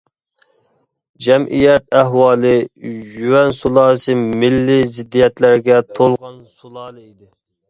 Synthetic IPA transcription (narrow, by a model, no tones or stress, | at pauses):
d͡ʒɛmʔijɛt̪̚æhwɑːlˠɨjywɛnsulˠɑːsɨmɪlːɪzɪd̪ːijɛt̪læɾɡʲɛt̪ʰolˠʁɑnsulˠɑːlˠɨid̪ɪ